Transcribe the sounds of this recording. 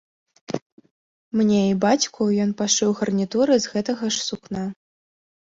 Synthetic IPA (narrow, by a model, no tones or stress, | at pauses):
mnʲeibat͡sʲkʰujɔn̪paʂɨwɣɐrnʲit̪uɾɨzɣɛt̪ɐɣɐʂsukna